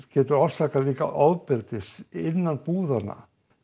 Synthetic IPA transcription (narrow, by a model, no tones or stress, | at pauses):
cɛːt̪ʏɾawv̥saːkaliːka̰ʔaːwðpɪlt̪ɪsɪnːanpuːðana̰